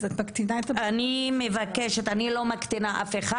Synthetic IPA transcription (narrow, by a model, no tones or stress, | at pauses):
zot̪mɐkt̪inaet̪aanimevakeʃet̪anilo̞makt̪inaʔa̰feχa